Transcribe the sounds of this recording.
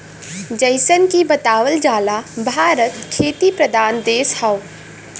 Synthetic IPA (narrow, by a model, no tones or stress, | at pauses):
d͡ʒəɪsənkibɐt̪aːwəld͡ʒaːlabʱaːɾət̪kʰeːt̪ipɾəd̪ʱaːnd̪eːshɐʊ